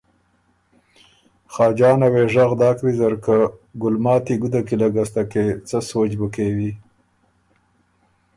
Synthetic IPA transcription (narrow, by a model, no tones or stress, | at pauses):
xɑːd͡ʒɑːnaweʐaɣd̪ɑːkwizaɾkaɡʊlmɑːt̪iɡud̪akilaɡast̪aket͡səsot͡ʃbəkewi